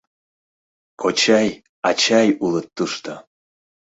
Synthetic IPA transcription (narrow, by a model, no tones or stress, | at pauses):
kʰot͡ɕɑj | ɑt͡ɕɑjulət̪ːuʃt̪o